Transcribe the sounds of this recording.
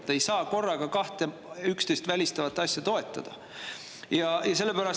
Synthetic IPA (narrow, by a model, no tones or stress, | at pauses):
t̪ːˑe̞jsɑːko̞rːɑɡɑkɑht̪e | ykst̪e̞jst̪vælʲist̪ɑvɑt̪ːˑɑsʲjɑt̪o̞e̞t̪ˑːɑd̪̥ɑ̰ | jɑjɑse̞lːepæɾɑs